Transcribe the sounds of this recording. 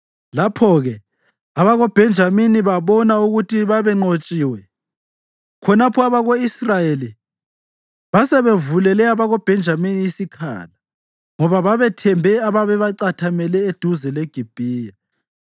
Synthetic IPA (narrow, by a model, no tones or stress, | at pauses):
lapʰɔɣɛ | aβaɣob̥ʱɛnd͡ʒʱaminiβaβɔnauɣutʰiβaβɛŋ͡ǃot͡ʃʼiːwɛ | kʰɔnapʰɔaβaɣoisrajeli | βasɛβevulɛlɛaβaɣob̥ʱɛnd͡ʒʱaminiːsikʰa̰la | ŋɔβaβaβɛtʰɛmbʱɛaβaβɛβaǀatʰamɛlɛed̥ʱuzɛleɡ̥ʱib̥ʱiːja